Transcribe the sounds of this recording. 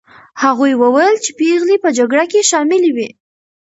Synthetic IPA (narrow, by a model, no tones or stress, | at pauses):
haɣujwəwajəlt͡ʃepeɣlipəd͡ʒaɡɽakeʃɑmɪliwi